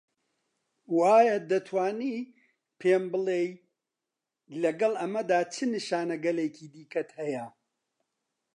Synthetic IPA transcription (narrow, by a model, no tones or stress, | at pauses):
waːjɐd̪ɐt̪ʰwaːni | pʰeːmbɨlˠej | lɐɡɐlˠʔɐmɐd̪aːt͡ʃʰɨnɨʃaːnɐɡɐleːkʰiːd̪iːkɐt̪hɐjɐ